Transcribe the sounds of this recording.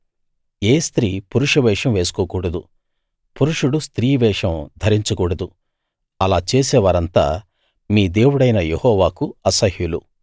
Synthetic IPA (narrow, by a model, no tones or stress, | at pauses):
eːst̪ɾiːpuɾuʂɐʋɛːʂɐmʋe̞ːsu̥koːkuːɽɐd̪u | puɾuʂuɽust̪ɾiːʋɛːʂɐmd̪ʱɐɾiɲt͡ʃukuːɽɐd̪u | ɐlaːt͡ʃeːsɛːʋaːɾɐnt̪a̰ː | miːd̪e̞ːwuɽɐjnɐjehɔːʋaːkuɐsɐhjulṵ